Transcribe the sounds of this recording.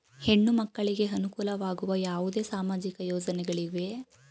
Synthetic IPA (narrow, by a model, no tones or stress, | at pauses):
he̞ɳːumɐkːɐɭiɡe̞ɐnukuːlɐʋaːɡuʋɐjaːʋud̪e̞ːsaːmaːd͡ʒikɐjɔːd͡ʒɐnɛɡɐɭiʋe̞